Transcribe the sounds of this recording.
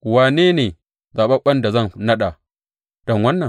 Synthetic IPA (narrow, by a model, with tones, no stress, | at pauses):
waː˨neː˦neː˨ | zaː˨ɓɐ˦ɓɐ˦nda˨zɐ˦˨ŋnɐ˦ɗa˨ | d̥ɔ˨ŋwɐ˦nːɐ˨